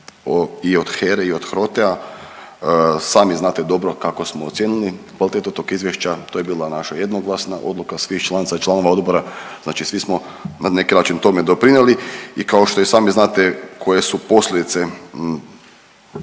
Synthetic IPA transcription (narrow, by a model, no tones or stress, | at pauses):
iod̪̥xeɾeio̞d̪xɾo̞t̪ea | saːmiznaːt̪ed̪o̞bɾo̞kako̞smoːt̪sjenulikʋalit̪et̪ot̪oɡizʋjeʃt͡ɕat̪ojebiːlˠanaʃaje̞d̪noɡlˠasnaʔo̞̰d̪lukasʋixt͡ʃlˠanit̪sat͡ʃlano̞ʋao̞d̪boɾaznaːt͡ʃisʋismo̞ | nane̞kinaːt͡ʃint̪o̞med̪o̞pɾineliikaoʃt̪o̞isaːmiznaːt̪ekʰo̞je̞supo̞slʎʲed̪it̪se